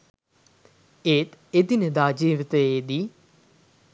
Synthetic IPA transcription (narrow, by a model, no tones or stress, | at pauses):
eːt̪ed̪inəd̪aːd͡ʒiːʋit̪əjeːd̪i